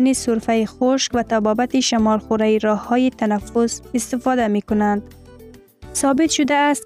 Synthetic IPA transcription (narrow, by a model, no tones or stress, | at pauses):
nisʊɾfajixʊʃkvat̪abɒbat̪iʃamɒlxʊɾajiɾɒhːɒjit̪ʰanafʊsɪst̪ɪfɑd̪amikʊnand̪ | sɒbɪt̪ʃʊd̪aːst̪̚